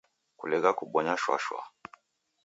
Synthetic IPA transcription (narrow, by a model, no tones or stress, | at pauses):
kṵlɛɣakuɓɔɲaʃwa̰ʃwa̰